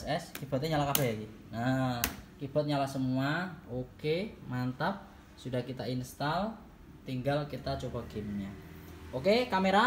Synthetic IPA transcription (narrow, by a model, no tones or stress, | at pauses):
sɛskib̥ɔt̪̚ɲaɲalakabɛɦjaɡi | na | kib̥ɔt̪̚ɲalasəmuaokemant̪ap̚ | sudahkit̪ainst̪al | t̪iŋɡalkit̪at͡ʃobaɡemɲaokekameɾa